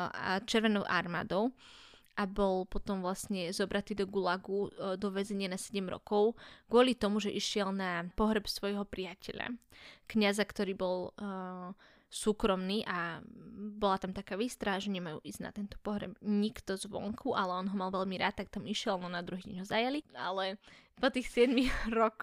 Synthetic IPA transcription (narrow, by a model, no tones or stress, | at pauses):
at͡ʃɛɾʋɛnɔʊʔaɾma̰ːd̪ɔʊ | ʔabɔlpɔt̪ɔmʋlasɲɛzɔbɾat̪iːd̪ɔɡulaɡud̪ɔʋɛzɛɲɪanasɛɟɛmɾɔ̰kɔʊɡ̥ʊɔlit̪ɔmuʒɛʔiʃɪɛlnapɔɦɾɛpsʋɔjɦɔpɾijacɛʎa̰kɲazakt̪ɔɾiːbɔlˠ | suːkɾɔmniːʔa | bɔlat̪amt̪akaːʋiːst̪ɾaɦaʒɛɲɛmajṵːʔizna̰t̪ɛnt̪ɔ̥pɔɦɾɛ̰bɲikt̪ɔzʋɔ̰ŋkʰuʔalɛɔnɦɔmalʋɛʎmiɾa̰ːt̪̚ːak̚t̪amiʃɪɛlnɔnad̪ɾuɦiːɟɛ̰ɲɦɔzajalia̰lɛpɔt̪iːxsɪɛd̪miɾɔk